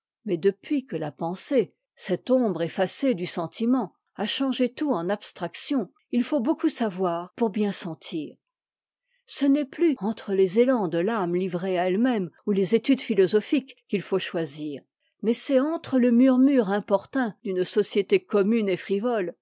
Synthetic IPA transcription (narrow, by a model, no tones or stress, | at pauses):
mɛd̪əpɥikəlapɑ̃se | sɛt̪ɔ̃bʁefased̪ysɑ̃t̪ʰimɑ̃ | aʃɑ̃ʒet̪uɑ̃napst̪χaksjɔ̃ | ilfobokusavwaːʁpuʁbjɛ̃sɑ̃t̪ʰiːʁ | sənɛplyɑ̃t̪χəlezelɑ̃d̪əlamlivʁeaɛlmɛmulezet̪yd̪filɔzɔfikːilfoʃwaziːʁ | mɛsɛɑ̃t̪χələmyʁmyʁɛ̃pɔʁt̪ɛ̃d̪ynsɔsjet̪ekɔmynefχivɔl